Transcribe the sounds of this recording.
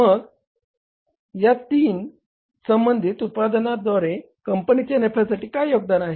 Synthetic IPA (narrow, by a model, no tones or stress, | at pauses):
məɡ | jat̪iːn | səmbənd̪ʱit̪ut̪̚pad̪ənad̪ʋaɾe | kəmpənit͡ɕjanepʰasaʈiːkajjoɡ̚d̪anaɦe